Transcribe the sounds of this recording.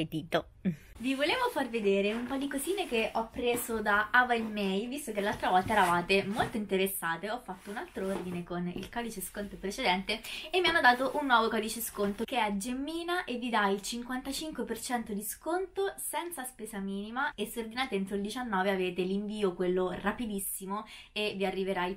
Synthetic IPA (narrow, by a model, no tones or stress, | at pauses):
pet̪iːt̪o | vivoleːvofarved̪eːɾeumpɔd̪ikoziːnekeʔɔpːɾeːzod̪aavaimːɛjvist̪okelːalt̪ɾavɔlt̪aɛɾavaːt̪emolt̪oint̪eɾesːaːt̪eɔfːat̪ːounalt̪ɾoord̪inekonḭlkɔːd̪it͡ʃeskont̪opɾet͡ʃed̪ɛnt̪eemːianːod̪aːt̪oʔunːwɔːvokɔːd̪it͡ʃeskont̪okeɛd͡ʒemːiːnaʔevːid̪ailt͡ʃiŋkwant̪at͡ʃiŋkwepert͡ʃɛnt̪od̪iskont̪osɛnt̪saspeːsamiːnimaesːord̪inaːt̪eent̪ɾoild̪it͡ʃanːɔːveaveːt̪eliɱviːokwelːorapid̪isːimoeviarːiveɾaj